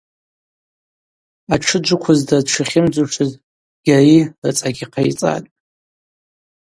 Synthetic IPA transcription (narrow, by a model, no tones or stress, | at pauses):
aʈ͡ʂʰɨd͡ʒʷʊkʷʰʊzdadʈ͡ʂʰʷɨχʲɪmd͡zuʂɨz | ɡ̥ʲarirɨt͡sʼaɡʲiqʰajt͡sʼa̰tʼ